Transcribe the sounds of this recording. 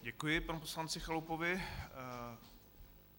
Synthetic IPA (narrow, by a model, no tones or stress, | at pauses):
ɟɛkujɪpanuposlant͡sɪxalupovɪ